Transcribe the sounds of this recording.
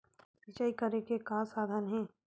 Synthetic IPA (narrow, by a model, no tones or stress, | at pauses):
ɐt͡ʃaːikɐɾekekãːsaːd̪ʱənɦɛ̃ː